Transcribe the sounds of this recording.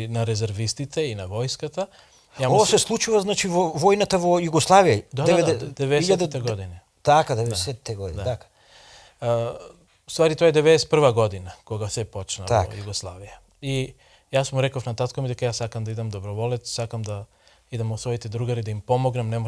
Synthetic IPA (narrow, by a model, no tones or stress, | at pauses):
naɾɛzɛɾvist̪it̪ʰɛinavɔjskat̪a | jamvasɛslˠut͡ʃuvaznat͡ʃivɔvɔjnat̪avɔjuɡɔslˠavijad̪ad̪ɛɛd̪ɛvɛɛsʎat̪ɛɛɡɔd̪ini | t̪akad̪ɛvɛdɛsɛɛɡɔd̪ind̪aakḁ | ust̪vaɾit̪ɔaɛd̪ɛvɛd̪ɛsɛt̪̚pr̩vaɡɔd̪inakɔɡasɛpɔt͡ʃna̰ajuɡɔslˠa̰vija | i | jasmuɾɛkofnat̪at̪komid̪ɛkajasːakamd̪aid̪amd̪ɔbɾɔvɔlɛt̪sakamd̪a | id̪amɔsvɔit̪ɛd̪ɾuɡaɾid̪aimpɔmɔɡnamnɛmɔ